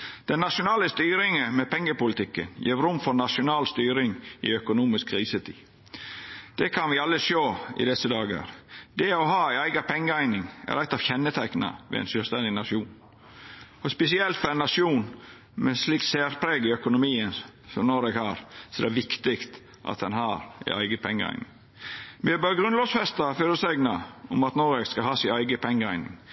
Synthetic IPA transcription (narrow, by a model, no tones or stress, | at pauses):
d̪̥ɛnːɑʂʊnɑːləst̪yːɾɪŋəmɛpʰɛŋːəpʊlɪt̪ʰɪkːə̰njḭːʋɾʊmfɔɾnɑʂʊnɑːlst̪yːɾɪŋɪœkʊnuːmɪskʰːɾiːsət̪ʰḭː | d̪̥ɛkʰɑnʋɪɑlːəʃoːɪ̰d̪ɛsəd̪ɑːɡɑ̰ɾd̪̥ɛɔɦɑːæɪæɪɡɑpʰɛŋːəæɪnɪŋæ̰ɾæt̪ɑʋçɛnːət̪ʰæknɑ̰ʋɛ̰æ̰ɪnsœːlst̪ɛnd̪ɪnɑʂuːn | ɔspɛsɪɛlt̪fɔɾɛɪnːɑʂuːn | mɛsliːkt̪seːɾpʰɾeːɡɪœkʊnʊmiːənsɔmnɔɾɛːɡhɑːɾsɔd̪ɛæʋɪkt̪ɪkt̪ | ʔɑ̰t̪̚d̪ɛnhɑːɾæ̰ɪæɪɡəpʰɛŋːə̰æ̰ɪnɪ̰ŋ | mɪɛbøːɾɡɾʉnlɔːsfɛst̪ɑføːɾəsæɪɡnɑʊmɑt̪nɔɾɛɡskɑhɑːsɪæɪɡəpʰɛŋːəæɪnɪ̰ŋ